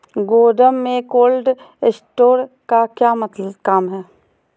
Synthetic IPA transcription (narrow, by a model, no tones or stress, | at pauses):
ɡoːɖəmːẽkoːlɖ | ɪsʈoːɾkakjaːmət̪ləbkaːmɦɛː